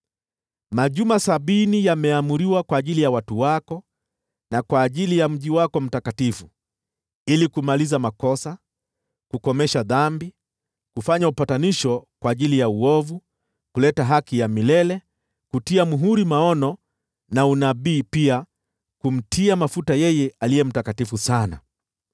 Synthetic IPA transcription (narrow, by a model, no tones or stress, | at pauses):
maʄumasaɓinijamɛamuɾiwakwaːʄilijawatuwakɔ | nakwaːʄilijam̩ʄiwakɔm̩takatifu | ilikumalizamakɔsa | kukɔmɛʃaðambi | kufaɲaupataniʃɔkwaːʄilijauɔvu | kulɛtaɦakijamilɛlɛ | kutiamuɦuɾimaɔnɔ | naunaɓiːpia | kum̩tʰiamafutajɛjɛalijɛm̩takatifusana̰